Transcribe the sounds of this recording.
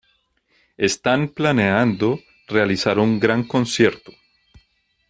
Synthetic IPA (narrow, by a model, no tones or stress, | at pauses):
e̞st̪anplaneand̪o | re̞alisaɾuŋɡɾaŋko̞nsje̞ɾt̪o̥